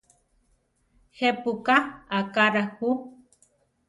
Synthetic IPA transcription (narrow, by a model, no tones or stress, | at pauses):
hepukaakaɾahu